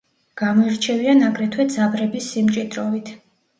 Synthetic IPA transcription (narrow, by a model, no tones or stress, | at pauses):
ɡ̥amɔiɾt͡ʃʰɛvianaɡʼɾɛt̪ʰwɛd̪zabɾɛbisːimt͡ʃʼid̪ɾɔvit̪ʰ